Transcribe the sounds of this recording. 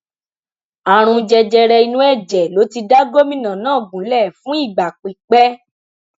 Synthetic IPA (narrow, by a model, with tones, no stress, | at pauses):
a˨ɾ̃ũ˧d͡ʒɛ˧d͡ʒɛ˧ɾɛ˧i˧nũ˦ɛ˦˨d͡ʒɛ˨lo˨˦ti˧da˦ɡo˦mĩ˦nã˨nãː˦˨ɡ͡bũ˨˦lɛ˦˨fũ˦i˦˨ɡ͡ba˨k͡pi˨k͡pɛ˦